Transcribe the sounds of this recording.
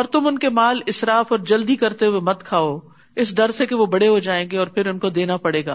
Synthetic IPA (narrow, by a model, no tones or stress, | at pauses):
ɔːɾt̪ʊmʊnkemaːlɪsɾaːfɔːɾd͡ʒɐld̪ikɐɾt̪eɦʊemɐt̪kʰaːo | ɪsɖɐɾsekeʋobɐɽeɦod͡ʒaːẽːɡeɔːɾpʰɪɾʊnkod̪eːnapɐɽeːɡa̰ː